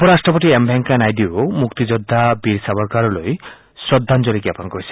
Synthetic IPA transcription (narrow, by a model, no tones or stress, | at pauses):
ɔpɔɾasʈɾɔp̬ɔʈiembʱɛŋkanajd̪iomukt̪id͡ʒɔd̪ʱːabiɾsabɔɾkaɾɔloj | sɔd̪ʱːand͡ʒɔɾikjapɔnkɔɾisʰi̥